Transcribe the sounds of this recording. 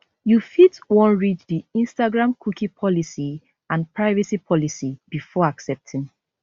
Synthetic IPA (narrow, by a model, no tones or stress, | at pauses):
jufitwɔ̃nɹit͡ʃdiĩnstaɡɹãmkʰukipʰɔlisi | ãnpɹaɪvisipʰɔlisibifɔaksɛp̚tʰĩŋ